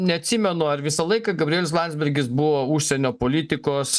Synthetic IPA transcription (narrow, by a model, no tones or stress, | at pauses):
nʲɛɐt̪ʲsʲɪmʲɛnʊɐɾʋʲɪsɐlˠɐɪkɑɡɐbʲɾʲiiɛlʲɪs̬lˠɑˑnʲd̪zbʲɛɾʲɡʲɪsbʊʋoːuʃʲsʲɛnʲoːpoːlʲɪt̪ʲɪkoːs